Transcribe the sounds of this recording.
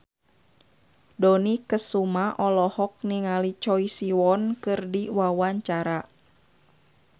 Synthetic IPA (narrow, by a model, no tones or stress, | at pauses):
dɔnikəsumaʔɔlɔhɔk̚niŋalit͡ʃɔisiwɔnkɨrdiwawaɲt͡ʃaɾa